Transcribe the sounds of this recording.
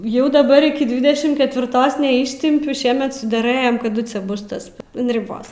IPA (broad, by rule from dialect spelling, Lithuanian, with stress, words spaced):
ˈjɛʊ dɐˈbɐr ˈɪkʲɪ ˈdʲʋʲɪdʲɛʃʲɪm kʲɛtʲʋʲɪˈrtoːs nʲɛˈɪʃʲtʲɪmʲpʲʊ ˈʃʲiɛmʲɛt sʊdʲɛˈrɘjɛmʲɛ kɐˈdʊ ˈt͡sʲɛ ˈbʊs tɐs ɐn rʲɪˈboːs